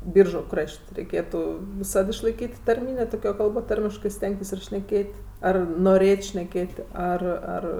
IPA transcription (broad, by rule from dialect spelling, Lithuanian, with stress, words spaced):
ˈbʲiːrʒʊ ˈkrɐʃʲtʲ rʲɛɪˈkʲeːtʊ ʋʲɪˈsɐt ɪʃlˠɐɪˈkʲiːtʲ tɐrʲˈmʲiːnʲeː ˈtoːkʲoː ˈkɐlˠboː ˈtɐrʲmʲɪʃkɜ ˈsʲtʲɛŋktʲɪs ʃʲnʲɛˈkʲeːtʲ ˈɐr noːˈrʲeːtʲ ʃʲnʲɛˈkʲeːtʲ ˈɐr ˈɐr